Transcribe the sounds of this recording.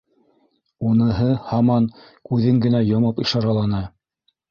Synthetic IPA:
unɤ̆ɦɤhɑmɑn | kʉðɘŋɡɘ̆næjŏmɤpiʃɑɾɑlˠɑnɤ

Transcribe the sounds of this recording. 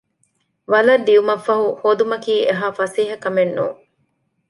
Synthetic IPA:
ʋɐlɐɾd̪iumɐfːɐɦuhoːd̪umɐkiːʔeɦaːfɐsiːɦɐkɐmenːṵː

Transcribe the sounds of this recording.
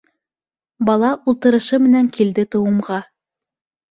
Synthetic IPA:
bɑlˠɑʔulˠt̪ɤ̆ɾɤ̆ʃɤmɘ̆næŋkild̪ɘt̪ɤ̆wɤ̆mʁɑ

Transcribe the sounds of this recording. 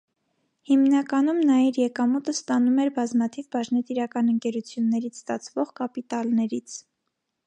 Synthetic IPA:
himnɑkɑnumnɑjɛɾjɛkɑmut̪əst̪ɑnumɛɾbɑzmɑt̪ʰivbɑʒnɛt̪iɾɑkɑnəŋkɛɾut͡sʰjunːɛɾit͡sʰst̪ɑt͡sʰvɔʁkɑpit̪ɑlnɛɾit͡sʰ

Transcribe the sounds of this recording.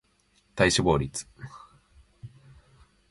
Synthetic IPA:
t̪aiɕiboːɾʲit͡sɨ̥

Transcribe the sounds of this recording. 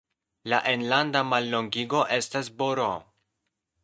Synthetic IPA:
laʔe̞nlandamalːo̞ŋɡiɡo̞ʔe̞stasboɾo̰

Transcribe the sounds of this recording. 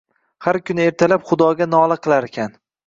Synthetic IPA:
haɾkʲʰʊnɪe̞ɾt̪ʰalapχʊd̪ɒɡʲanɒlˠɨqʰɨlˠaɾekʲʰan

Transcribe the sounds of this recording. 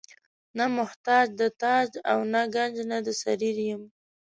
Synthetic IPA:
namʊht̪ɑd͡ʒd̪ət̪ɑd͡ʒawnaɡand͡ʒnad̪əsaɾiɾjəm

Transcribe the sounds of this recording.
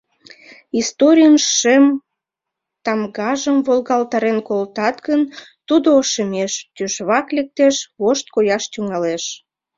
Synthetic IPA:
ist̪oɾʲijənʃem | t̪ɑmɣɑʒəmβolɣɑlt̪ɑɾenkolt̪ɑt̪ɣən | t̪ud̪oːʃəmeʃt̪yʃβɑklek̚t̪eʃβoʃt̪̚kojɑʃt̪yŋɑleʃ

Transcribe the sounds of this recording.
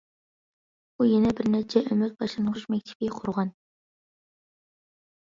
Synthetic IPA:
ujenɛbɪɾnæt͡ʃʰɛʔømɪt̪̚bɑʃlˠɑnəʁʊʃmɛk̚ʲt̪ʰɪ̥bɪqʰʊɾʁɑn

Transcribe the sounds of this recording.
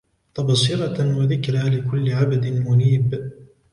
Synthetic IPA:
t̪ɑbɑsɪɾˤɑwaðɪkɾalɪkʊlːɪʕabd̪ɪnmʊniːb

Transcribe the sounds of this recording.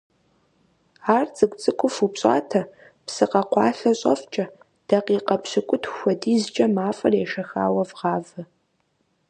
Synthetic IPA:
aːrt͡sʼɨkʷʼt͡sʼɨkʷʼʊfupɕʼa̰ːtʰɐ | psɨqɐqʷɑːɬɐɕʼɐ̰ft͡ʃʼɐ | d̥ɐqiːqɐpʰɕɪkʷʼʊtʰxʷɐdiːzt͡ʃʼɐmaːfʼɐrjɛʃɐxa̰ːwɐvʁɑːvɨ

